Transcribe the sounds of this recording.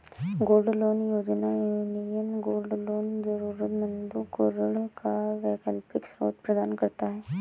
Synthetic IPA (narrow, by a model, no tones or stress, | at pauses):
ɡoːlɖloːnjoːd͡ʒnaenijənɡoːlɖloːnd͡ʒəɾuːɾət̪mə̃nd̪ukoɾəɽkaʋɛːkəlpɪksɾo̰ːt̪pɾɐd̪aːnkɐɾt̪aɦɛː